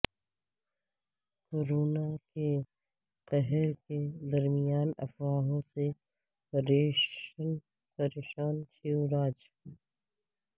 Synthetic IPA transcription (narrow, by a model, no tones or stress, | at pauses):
koɾoːnake | qɐɦɛɾked̪ɐɾmijaːnɐ̰fwaːɦõse | pɾeːʃən | pɐɾeːʃaːnt͡ʃiuɾaːd͡ʒ